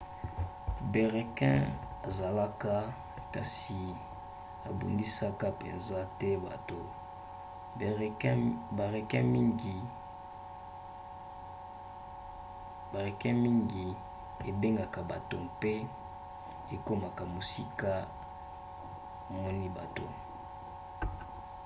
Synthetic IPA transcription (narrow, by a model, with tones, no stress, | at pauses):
be˨ʁɛ˨kɛ̰̃˦a˨za˨la˦ka˦ | ka˨si˨ | a̰˨bṵ˨ndi˦sa˦ka˦pɛ˨nza˦tɛ˦ba̰˨to˨˦ | ba˨ʁɛ˨kɛ̃˦mi˦ŋɡi˨ | ba˨ʁe˨kɛ˦mi˦ŋɡi˨ | e˨be˦ŋɡa˨ka˨ba̰˨to˨pe˦ | e˨ko˦ma˨ka˨mo˨si˦ka˦ | a˨mɔ˦ni˦ba̰˨to̰˨